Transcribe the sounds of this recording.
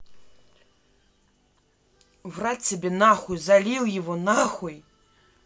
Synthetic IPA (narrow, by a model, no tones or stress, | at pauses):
wrasʲabʲɛnaxujzalʲiwjavɔnaxuj